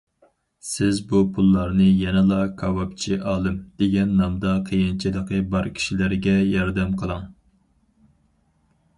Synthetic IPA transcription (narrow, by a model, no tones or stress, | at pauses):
sɪzbupʰulˠːɑɾnɨjɛnɨlˠɑkʰɑwɑp̚t͡ʃʰiʔɑːlˠɨmd̪̥eɡʲɛnːɑmd̪ɑqʰəjɪnt͡ʃʰid̪əqʰəbɑɾkʲʰi̥ʃilɪɾɡʲɛjɑɾd̪ɛmqʰəlˠɑŋ